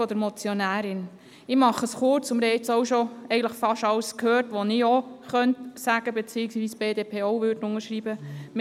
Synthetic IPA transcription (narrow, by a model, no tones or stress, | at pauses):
ɔd̥̪əɾmɔt͡sjɔnæːɾɪn | ɪmɑχəsχʊɾt͡sʊmɾɛɪt͡sowʃoɛɪɡən̩tləχfɑʃɑwskhøːɾtʋonɪoχœntsæɡ̥əbet͡siːɪksʋiːsb̥eːdeːpʰeːɔwʋøːɾdən̩ʊŋəɾʃɾiːbəm